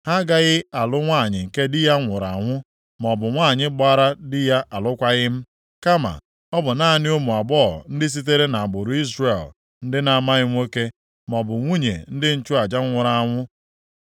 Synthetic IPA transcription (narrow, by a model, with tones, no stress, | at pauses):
ha˦ɡa˦ɣɪ˦a˨lʊ˦ŋʷaː˦˨ɲɪ˨ŋ̩˨ke˦dɪ˦ja˦ŋʷʊ˨ɾa̰˨ŋʷʊ˦ | mɔ˨bʊ˨ŋʷaː˦˨ɲɪ˦ɡ͡ba˦ɾa˦dɪ˦ja˦ʔa˨lʊ˦kʷa˦ɣɪ˦m̩˦ | ka˦ma̰˨ | ɔ˦bʊ˨na˦˨nɪ˦o˦mu˨a˨bɔ̰ː˦˨n̩˦dɪ˦s̬i˦t̬e˦ɾe˦na˨a˨ɡ͡bo˨ɾu˨i˦zre˨l | n̩˦dɪ˦na˨ma˦ɣɪ˦ŋʷo˦ke˦ | m˨ɔ˨bʊ˨ŋʷu˦ɲḛ˨n̩˦dɪ˦n̩˦t͡ʃʊ˦a˨d͡ʒa˦ŋʷʊ˨ɾa˨a˨ŋʷʊ˦